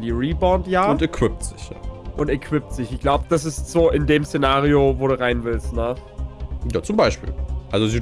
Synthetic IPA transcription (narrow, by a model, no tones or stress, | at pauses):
ndiːʁiːbɔntjaːʊntɛkʰv̥ɪp̚tz̥ɪçja̰ːʔʊntɛkʰv̥ɪp̚tz̥ɪçɪçɡ̥laʊbəd̥as̬ɪstz̥oːʔɪndeːmsenaːʁiovoːɾuːʁaɪnvɪlstnə | jaːt͡sʊmbaɪʃpḭːlʔalzoziː